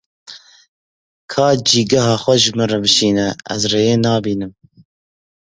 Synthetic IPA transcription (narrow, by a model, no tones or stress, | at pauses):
kʰɑːd͡ʒiːɡɐɦɑːxʷɛʒɨmɨrɛbɨʃiːnɛʔɛ̰zreːjeːnɑːbiːnɨm